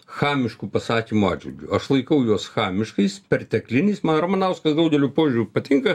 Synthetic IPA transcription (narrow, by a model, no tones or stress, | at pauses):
xɑːmʲɪʃkuːpɐsɑːkʲimuɑːdd͡ʒʲʋʲɪ̰lʲɡʲʊɐʃlˠɐɪkɐʊjuɔsxɑːmʲɪʃkɐɪspʲɛɾt̪ʲɛklʲɪnʲiːsmɐnɾɐmɐnɐʊskɐsd̪ɐʊɡʲɛlʲupoːʒʲʊɾʲupɐt̪ʲɪŋkɐ